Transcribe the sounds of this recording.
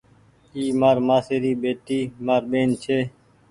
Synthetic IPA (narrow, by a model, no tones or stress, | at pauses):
iːmaːɾmaːseːɾiːɓeːʈ̪iːmaːɾɓeːnt͡ʃʰeː